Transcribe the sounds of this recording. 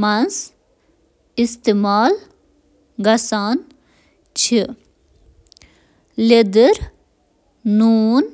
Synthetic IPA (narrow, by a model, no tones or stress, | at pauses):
mɐns | ist̪imaːl | ɡɐsaːn | t͡ʃʰi | led̪əɾ | nuːn